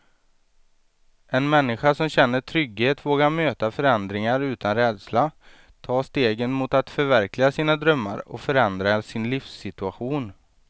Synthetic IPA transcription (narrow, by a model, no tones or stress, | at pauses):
ɛnmɛnːɪɧaʂɔmɕɛnːəʈʰɾʏɡheːt̪voːɡaɾmøːt̪afœɾɛnd̪ɾɪŋaɾʉ̟ːt̪ʰanɾɛːd̪sla | t̪ʰɑːst̪eːɡənmʊt̪at̪fœɾvæɾklɪɡasiːnad̪ɾœmːa̰ɾɔ̰fœɾɛnd̪ɾasɪnliːfsːɪt̪ɵaɧuːn